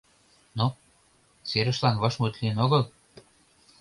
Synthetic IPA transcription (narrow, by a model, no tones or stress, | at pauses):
no | seɾə̆ʃlɑnβɑʃmut̪linoɣəl